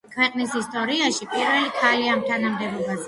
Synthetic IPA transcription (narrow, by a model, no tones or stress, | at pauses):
kʰwɛqʼnishist̪ʼɔɾiaʃipʼiɾwɛlikʰaliamt̪ʰanamd̪ɛbubas